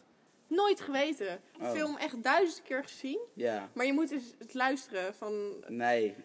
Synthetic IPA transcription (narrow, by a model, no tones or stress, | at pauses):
nojtχəʋejtəfɪlˠmʔɛχt̚dœɥzəndəkɪːɹχəzinjamaːɹjəmutɪsətlœɥstərəfɑnnej